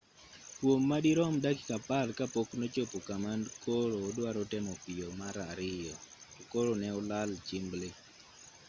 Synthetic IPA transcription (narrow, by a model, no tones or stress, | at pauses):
kwomːadiɾɔmdakɪ̥kapalkapoknot͡ʃopokamandkʰoɾoːdwaɾɔtɛmɔpɪjomaɾaɾɪjɔkoɾonɛɔlalt͡ʃɪmble